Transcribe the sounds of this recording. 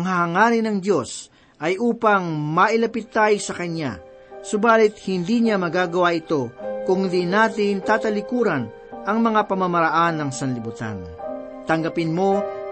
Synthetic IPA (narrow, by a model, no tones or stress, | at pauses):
ɐŋhaɦɐŋaːɾɪnɐŋd̪jo̞s | ʔɐjʔuːpɐŋmɐʔɪlɐpɪt̪ːajsɐkɐnja̰ | sʊbaːlɪt̪̚hɪnd̪iɲamɐɡaːɡɐwaʔɪt̪o̞kʊŋd̪inaːt̪ɪnt̪aːt̪ɐlɪkuːɾɐn | ʔɐŋmɐŋapɐmɐmɐɾɐʔanːɐŋsɐnlɪbut̪a̰nt̪ɐŋɡɐpɪnmo̞